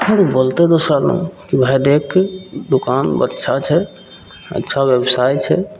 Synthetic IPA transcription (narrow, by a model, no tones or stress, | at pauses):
əɾbolt̪ed̪osalə̰ũkibʱajd̪ekʰːed̪ukanbə̰tːʃʰat͡ʃʰɛ | ə̰tːʃʰabjebsajt͡ʃʰɛ̰